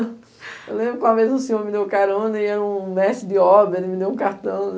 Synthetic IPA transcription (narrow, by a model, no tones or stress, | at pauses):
ewlẽbɾʊkõamezʊsĩoɾmɪd̪ewkaɾɐõnɐ̃iɛɾɐũmɛst̪ɾɪd̪ɪɔbɾɐelɪmɪd̪ewũkaɾt̪ɐ̃w̃